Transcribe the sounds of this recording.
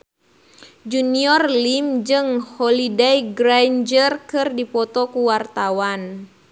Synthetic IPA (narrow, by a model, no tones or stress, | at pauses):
d͡ʒuniɔrlimd͡ʒɨŋhɔlidɛjɡɾand͡ʒərkɨrdipɔt̪ɔkuwart̪awan